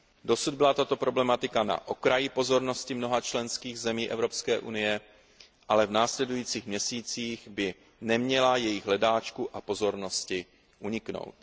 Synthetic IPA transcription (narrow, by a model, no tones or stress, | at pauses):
do̞sud̪̚bɪlat̪at̪o̞pɾo̞blɛmat̪ɪkana̰ʔo̞kɾajɪpo̞zo̞ɾno̞scɪmno̞ɦat͡ʃlɛnskiːɣzɛmiːʔɛvɾo̞pskɛːʔunɪjɛ | ʔalɛvnaːslɛdujiːt͡siːxmɲɛsiːt͡siːxbɪ | nɛmɲɛlajɛjɪɣɦlɛdaːt͡ʃkuʔapo̞zo̞ɾno̞scɪ | ʔuɲɪkno̞̰wt̪